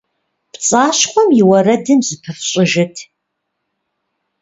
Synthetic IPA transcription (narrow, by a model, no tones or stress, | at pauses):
pt͡sʼaːɕχʷɔmjɪwɐrɐdɨmzɨpʰɨfɕʼɪʒɐtʰ